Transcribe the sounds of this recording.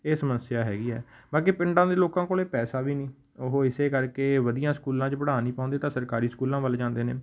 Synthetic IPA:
eːsəməsːɪjaːɦɛ̰ːɡiːɦɛːbaːkeːpɪɳɖãːd̪eːloːkãːkoːleːpɛːsaːʋiːnĩː | oɦoːɪseːkəɾkeːʋəd̪ijãːskuːlãːt͡ʃpəɽaːniːpãːnd̪eːt̪ãːsəɾkaːɾiːskuːlãːʋəld͡ʒãːnd̪eːneː

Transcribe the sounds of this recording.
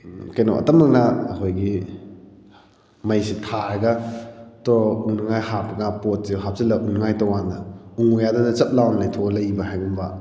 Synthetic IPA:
keno̰ʔɐ̰tɐmɐŋ̚nɐːkʰojɡi | mɐjsitʰaɡɐtouŋnɐŋajhapʰɐɡapot̚siɦap̚silɐuŋnɐŋajtɐwanɐuŋujadɐnɐt͡ʃɐp̚lawnlɐjtʰolɐjbɐɦajɡumbɐ

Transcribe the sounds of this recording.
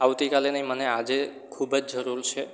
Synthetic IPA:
awt̪ikalenəɦĩmənead͡ʒe | kʰubd͡ʒd͡ʒəɾuɾt͡ʃʰe

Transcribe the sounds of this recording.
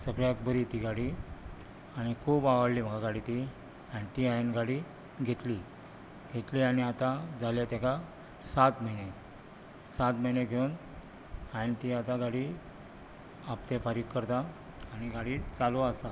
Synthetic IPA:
səɡɭjakbəɾit̪iɡaɽi | aɽ̃ikʰuːbaʋəɽliːm̤əɡʰʱaɡaɽit̪i | ãʈiajnɡaɽi | ɡʱeʈ̪li | ɡʱeʈ̪liañiat̪ad͡zʱalat̪jaka | sat̪məɦine | sat̪məɦineɡʱeun | ajnt̪iat̪aɡaɽi | apt̪efaɾikːəɾt̪a | aɽ̃iɡaɽiːt͡saluəsa

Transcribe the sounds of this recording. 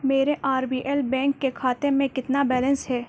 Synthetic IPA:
meːɾeʔaːɾbiːʔɛlbɛ̃ːŋkːekʰaːt̪emẽkɪt̪nabɛːlə̃nsɦɛː

